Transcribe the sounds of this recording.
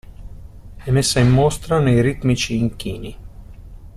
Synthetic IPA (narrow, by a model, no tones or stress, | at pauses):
ɛmesajmːoːst̪ɾanɛjɾit̪mit͡ʃiːŋkiːni